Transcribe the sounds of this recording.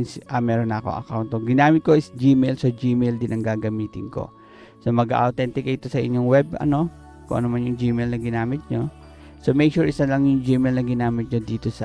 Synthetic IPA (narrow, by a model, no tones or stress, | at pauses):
nsʔɐmɛɾonɐʔɐko̞̰ʔɐ̰kawnt̪oɡɪnaːmɪt̪̚ko̞ʔɪsd͡ʒiːmɛjlsod͡ʒiːmɛjld̪ɪnʔɐŋɡaːɡɐmiːt̪ɪnko̞̰ | somɐɡa̰ʔɐwt̪ɛnt̪ɪkɐʔɪt̪o̞sɐʔɪ̰ɲːoŋwɛb̚ʔɐ̰no̞ | kʊ̰ŋʔɐ̰nomanjʊŋd͡ʒiːmɛjlnɐɡɪnaːmɪt̪̚ɲo̞ | somɛjʃuɹʔɪsɐlɐŋjʊŋd͡ʒiːmɛjlnɐɡɪnaːmɪt̪̚ɲod̪iːt̪o̞sɐ